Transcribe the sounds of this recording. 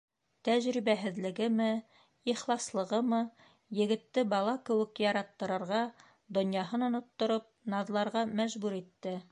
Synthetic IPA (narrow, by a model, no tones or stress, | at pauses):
t̪æʑɾiβæɦɘ̆ðlɘ̆ɡɘmɘ | iχlˠɑslˠɤ̆ʁɤmɤ | jɘ̆ɡɘ̆t̪ːɘbɑlˠɑkɘ̆wɘ̆kjɑɾɑt̪ːɤ̆ɾɤ̆ɾʁɑ | d̪ŏnjɑɦɤnŏnŏt̪ːŏɾɤp̚nɑðlˠɑɾʁɑmæʒbʉɾit̪ːɘ